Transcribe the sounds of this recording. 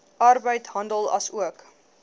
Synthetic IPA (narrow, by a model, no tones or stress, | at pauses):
ʔɐrbəjtɦɐndəlˠɐ̰suək